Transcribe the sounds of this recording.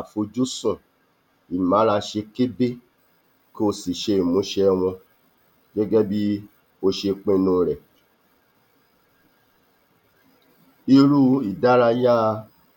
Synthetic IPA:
a˨fo˧d͡ʒu˦sũ˦˨ | i˨mã˨˦ɾa˧ʃe˧ke˦be˦ | ko˧si˨ʃe˧i˨mũ˨˦ʃɛ˧˦˧w̃ɔ̃˧ | ɡɛ˦ɡɛ˦bi˦ | o˧ʃe˧k͡pẽ˧˦nũ˧˦ɾɛ˨ | i˧ɾu˦i˨da˨˦ɾa˧ja˦˧

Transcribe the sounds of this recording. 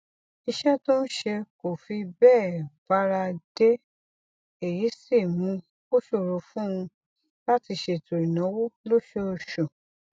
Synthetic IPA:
i˧ʃɛ˦to˦n̩˦ʃe˧ko˨fi˧bɛː˦˨b̥a˧ɾa˧de˦ | e˦˨ji˨˦si˦˨mũ˧ | o˦ʃo˦˨ɾo˨˧fũ˦ũ˧ | la˦ti˧ʃe˧˨to˨i˨nã˨˦wo˦lo˦ʃo˦o˧˨ʃo˨

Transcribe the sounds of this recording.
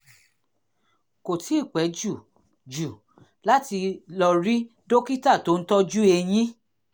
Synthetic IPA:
ko˨tʰi˨˦˨k͡pɛ˨˦d͡ʒu˦˨ | d͡ʒu˨ | la˦ti˧lɔ˧ɾi˦ | do˦ki˦ta˦˨to˦n̩˦tɔ˦d͡ʒu˦e˧j̃ĩ˦

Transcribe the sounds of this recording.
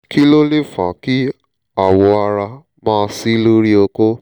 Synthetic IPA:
ki˦lo˦le˦fã̰˨ki˦ | a˨wɔ˧a˧ɾa˧ | mãː˦˧˦si˦lo˦ɾi˦o˧ko˦

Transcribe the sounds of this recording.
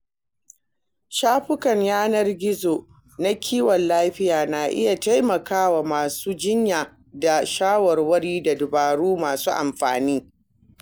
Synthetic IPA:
ʃaː˦ɸʊ˦kɐ˨ɲjaː˦nɐ˦rɡʲɪ˦zo˨ | na˦kʲʰiː˦wɔ˨nlaː˦ɸɪ˦jaː˨na˨ʔɪ̰˦ja˨ta˦jmɐ˨kaː˦wa˨maː˨suː˦d͡ʒɪ˦ɲjaː˨ | da˨ʃaː˦wɐ˨rwɐ˦ɽiː˦da˨dʊ˨baː˨ɽuː˦maː˨suː˦ʔa˨mɸa̰ː˨niː˦

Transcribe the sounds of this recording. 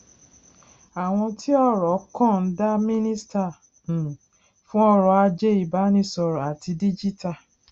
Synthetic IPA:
a˨w̃ɔ̃˧tʰi˦ɔ˦˨ɾɔ˨˦kɔ̃˦˨n̩˦da˦mĩ˦nĩ˦sta˦˨ | ñ˨ | fũ˦ɔ˦ɾɔ˧a˧d͡ʒe˦i˦˨ba˨˦nĩ˧sɔ˧ɾɔ˨a˨ti˧di˦d͡ʒi˦ta˦˨

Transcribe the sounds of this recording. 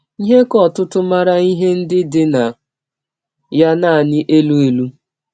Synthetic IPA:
i˦ɦe˦kɔ˦tʊ˦tʊ˦ma˦ɾa˦i˦ɦe˦n̩˦dɪ˦dɪ˦na˨ | ja˦na˦˨a˨nɪ˦ʔe˦lu˦e˨lu˦

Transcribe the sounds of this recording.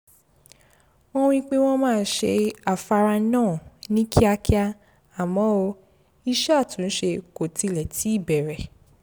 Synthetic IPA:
w̃ɔ̃˦w̃ĩ˧˦k͡pe˦w̃ɔ̃˦mãː˦˧˦ʃe˧a˨fa˧ɾa˧nãː˦˨nĩ˦kʰi˦a˧ki˦a˧ | a˨mɔ̃˨˦o˧ | i˦ʃa˦˨tũ˨˦ʃe˧ko˨ti˧lɛ˨tʰi˨˦i˦˨bɛ˨ɾɛ˨

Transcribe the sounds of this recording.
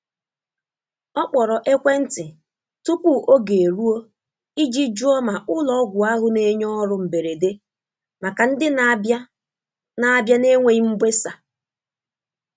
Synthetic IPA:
ɔ˦k͡pɔ˨ɾɔ˨ʔe˦kʷe˦n̩˦tɪ˨ | tu˦pu˦˨ʔo˦ɡe˨e˨ɾu˦o˦ | i˦d͡ʒi˦d͡ʒu˦ɔ˦ma˨ʔʊ˦lɔ˦ɡʷʊ˨a˦ɦʊ˦ne˦ɲɔ˦ɾʊ˨m̩˨be˨ɾe˨de˦ | ma˨ka˨n̩˦dɪ˦n˦b | na˦a˦bja˦ne˦ŋʷe˨i˦m̩˦bʷe˦sa˨

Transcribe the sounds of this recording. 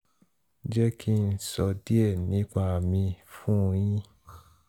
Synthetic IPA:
d͡ʒɛ˦ki˦n̩˨sɔ˧di˦ɛ˦˨nĩ˨˦k͡pa˧˨mĩ˧fũ˦˧j̃ĩ˦

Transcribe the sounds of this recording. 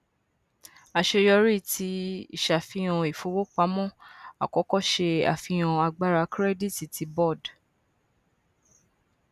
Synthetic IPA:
a˧ʃe˧jɔ˧ɾi˦˨tʰi˧˦ḭ˦˨ʃa˨fĩ˧j̃ɔ̃˧i˨fo˧˦wo˦k͡pa˨˦mɔ̃˦˨a̰˨kɔ˨˦kɔ˦˨ʃe˧a̰˨fĩ˧j̃ã˧a˧ɡ͡ba˦ɾa˧kɾɛ˦di˦˨ti˨tʰi˧˦bɔ˦˨d

